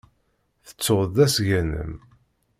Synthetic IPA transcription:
θə̥t͡sːoððæsʝænə̰m

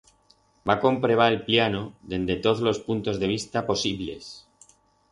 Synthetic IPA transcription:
bako̞mpɾe̞β̞aelpljanoðe̞nd̪e̞t̪o̞ðzlospunt̪o̞zðe̞β̞ist̪apo̞siβle̞̰s

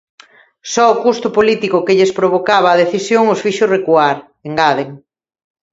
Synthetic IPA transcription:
sɔʊkust̪ʊpolit̪ikʊkeʎespɾoβ̞okaβ̞aːð̞eθisjoŋʊsfiʃʊsrekuaɾ | eŋɡaðeŋ

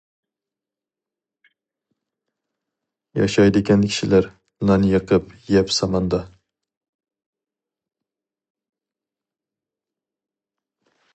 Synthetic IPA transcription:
jɑ̰ʃɑjd̪ɪkʲankʲʰi̥ʃɪlaɾ | nanjəqɨpjɛpsɑmɑnd̪ɑ

